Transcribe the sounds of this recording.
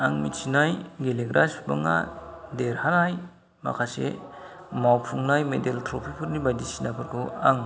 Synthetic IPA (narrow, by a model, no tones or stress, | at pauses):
aŋmitsinajɡeleɡɾʔasba̰ŋa̰deɾhaɾaj | ma̰kʰasḛ | mawpʰuŋnajmedeltʰɾopʰipʰɯɾnibajdisinapʰɯɾkʰua̰ŋ